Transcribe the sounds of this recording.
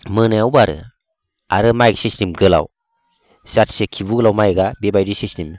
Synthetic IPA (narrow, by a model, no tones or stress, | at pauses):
mɯnajawbaɾɯ̰ | aɾɯmajɡasistimɡɯla̰w | satsekʰibuɡɯlawmajɡabebajdisistim